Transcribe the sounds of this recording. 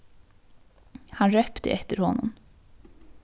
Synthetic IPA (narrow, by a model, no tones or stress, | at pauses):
hɑnɾœpt̪ə̰ʔɛt̪əɾhɔnːʊm